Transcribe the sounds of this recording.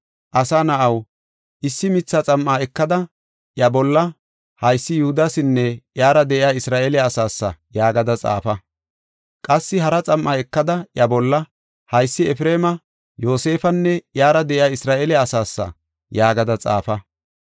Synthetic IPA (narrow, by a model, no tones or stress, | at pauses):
ʔɐsaːnɐʔɐw | ʔɪsːɪmɪt͡sːɐt͡sʼɐmːaːɛkːɐd̪ɐ | ʔjɐbɔlːɐ | hɐjsːɪjʊhʊd̪asɪnːɛʔjaːɾɐd̪ɛʔɪjaːɪsɾaːʔeːlɛɐsaːsːɐ̰jaːɡɐd̪ɐt͡sʼa̰ːfɐ | kʼɐsːɪɦɐɾɐt͡sʼɐmːaːɛkːɐd̪ɐʔjɐbɔlːɐ | hɐjsːɪɛfɾeːmɐ | jo̞ːse̞ːfɐnːɛjaːɾɐd̪ɛʔɪjaːɪsɾaːʔeːlɛɐsaːsːɐ̰ | jaːɡɐd̪ɐt͡sʼa̰ːfɐ